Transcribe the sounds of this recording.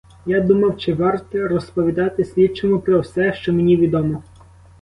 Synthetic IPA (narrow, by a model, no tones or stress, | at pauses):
jad̪umɐwt͡ʃɪʋɑrt̪ɔɾɔspɔʋʲid̪ɑt̪ɪsʲʋʲit͡ʃɔmʊpɾɔwsɛʃt͡ʃɔmenʲiʋʲid̪ɔmɔ